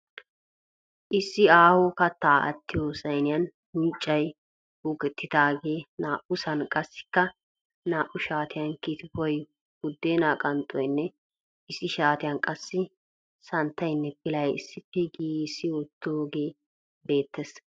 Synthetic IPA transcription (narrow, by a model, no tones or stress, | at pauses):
ʔɪsːɪaːhɔkɐt̪ːaːɐ̰t̪ːɪjoːsɐjnɪjɐn | mɪːt͡ʃʼːɐj | ʊɡɛt̪ːɪd̪aːɡe̞ːnaːʔʊsɐnkʼɐsːɪ̥kːɐ | naːʔʊʃaːt̪ɪjɐnkiːt̪bɔj | ɡʊd̪ːeːnaːkʼɐnt̪ʼɔjnːɛ | ɪsːɪʃaːt̪ɪjɐnkʼɐsːɪ | sɐnt̪ːɐjnːɛpɪlɐjɪ̰sːɪpːɛɡiːɪsːɪwɔt̪ːoːɡe̞ː | be̞ːt̪ːɛs